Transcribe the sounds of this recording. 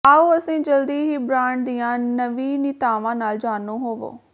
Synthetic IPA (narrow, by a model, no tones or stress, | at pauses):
aːuːəsĩːd͡ʒəld̪iːɦiːbɾaːɳʈ̚d̪ijãːnəʋiːnɪt̪aːʋãːnaːld͡ʒaːnoːɦoːʋo̰ː